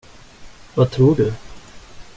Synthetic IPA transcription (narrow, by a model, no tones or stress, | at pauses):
vat̪ʰɾuːɖɵ